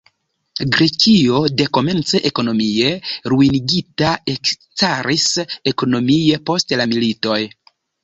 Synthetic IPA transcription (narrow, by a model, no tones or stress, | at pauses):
ɡɾe̞kio̞de̞ko̞me̞nt͡se̞ʔeko̞no̞mie̞ɾuiniɡitae̞k | taɾiseko̞no̞miepo̞stlamilito̞j